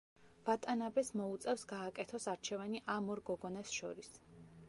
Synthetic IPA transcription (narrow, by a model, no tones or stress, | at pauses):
v̥at̪ʼanabɛsmɔut̪sʼɛfsɡaːkʼɛt̪ʰɔsaɾt͡ʃʰɛvaniʔamɔɾɡɔɡɔnasʃɔ̰ɾis